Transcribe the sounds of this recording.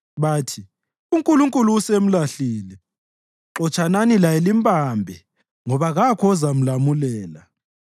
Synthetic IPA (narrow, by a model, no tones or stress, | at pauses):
βaːtʰi | uŋkʼuluŋkʼuluːsem̩laɬiːlɛ | ǃɔt͡ʃʰʼananilajelimbʼambʱɛ | ŋɔβaɣakʰɔzam̩lamulɛːla